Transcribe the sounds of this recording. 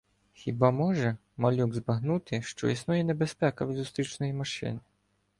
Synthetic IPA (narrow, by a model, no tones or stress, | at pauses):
xʲibamɔʒɛ | mɐlʲuɡzbɐɦnut̪ɪʃt͡ʃɔ̰isnujɛnebespɛkɐʋʲizʊst̪ɾʲit͡ʃnɔjimɐʃɪ̰nɪ